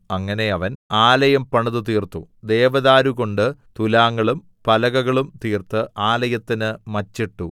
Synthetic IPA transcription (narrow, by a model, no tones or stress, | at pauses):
ɐŋːɐne̞ɐʋɐnaːlɐjɐmpɐɳɐðut̪iːrt̪ud̪e̞ːʋɐðaːɾuɣo̞ɳɖɨt̪ulaːŋːɐɭum | pɐlɐɣɐɣɐɭumt̪iːrt̪ɨʔaːlɐjɐt̪ːinɨmɐt͡ɕːiʈːu